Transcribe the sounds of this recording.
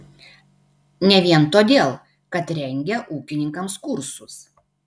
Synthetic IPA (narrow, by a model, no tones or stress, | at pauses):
nʲɛʋʲiɛnt̪oːd̪ʲeːlˠ | kɐt̪ɾʲɛŋʲɡʲɛʔuːkʲɪnʲɪŋkɐmskʊɾsʊs